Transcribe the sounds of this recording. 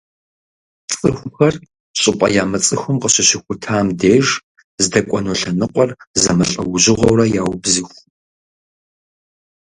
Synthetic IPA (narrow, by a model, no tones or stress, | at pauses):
t͡sʼɨxʷʊxɐr | ɕʼɪpʷʼɐ̰jaːmɐt͡sʼɨxʷʊmqəɕɪɕɪxʷʊtʰaːmdeːʒ | zɨdɐkʷʼɔnoɬɐnɨqʷɔrzɐmɐɬʼɐwʊʑɪʁʷɔwrɐjaːwbzɨxʷ